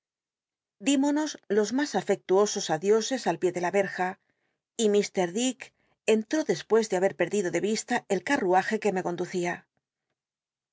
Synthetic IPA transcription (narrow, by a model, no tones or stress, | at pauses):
d̪imo̞no̞zlo̞zmasafe̞k̚t̪uo̞so̞saðjo̞se̞salpje̞ðe̞laβe̞ɾxa | imist̪e̞ɾðik | e̞nt̪ɾo̞ðe̞spwe̞zðeaβe̞ɾpe̞ɾðiðo̞ðe̞β̞ist̪ae̞lkaruaxe̞ke̞me̞ko̞nd̪uθia